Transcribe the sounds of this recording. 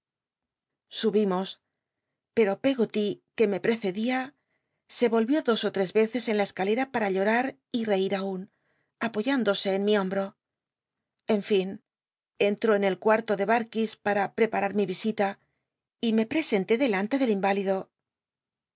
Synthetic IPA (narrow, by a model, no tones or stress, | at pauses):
suβimo̞s | pe̞ɾo̞pe̞ɣot̪ike̞me̞pɾe̞θe̞ðia | se̞βo̞lβjo̞ðo̞so̞t̪ɾe̞zβe̞θe̞se̞nlae̞skale̞ɾapaɾaʎo̞ɾaɾ | ire̞iɾaun | apo̞ʝand̪o̞se̞ːnmiõ̞mbɾo̞ | e̞ɱfin | e̞nt̪ɾo̞ene̞lkwaɾt̪o̞ðe̞βaɾkispaɾapɾe̞paɾaɾmiβisit̪a | ime̞pɾe̞se̞nt̪e̞ðe̞lant̪e̞ðe̞limbaliðo̞